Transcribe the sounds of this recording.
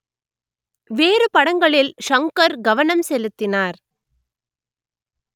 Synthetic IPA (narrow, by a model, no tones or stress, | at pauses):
ʋeːɾɯpɐɽɐŋɡɐɭɪlʂɐŋkɐɾɡɐʋɐnɐmsɛlɯt̪ːɪnaːɾ